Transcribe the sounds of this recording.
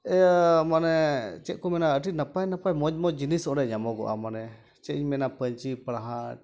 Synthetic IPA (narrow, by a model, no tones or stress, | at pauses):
ɛmanɛt͡ʃɛʔ̚kɔmɛnaəʈ̬inapajnapajmɔmɔd͡ʒinisɔ̃ɾɛɲamɔɡɔ̰ʔa̰manɛ | t͡ʃɛiɲmɛnapəɲt͡ʃipɽaɦa